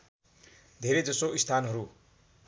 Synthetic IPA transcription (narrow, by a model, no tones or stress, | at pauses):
d̪ʱeɾed͡zʌsoist̪ʰanɦʌɾu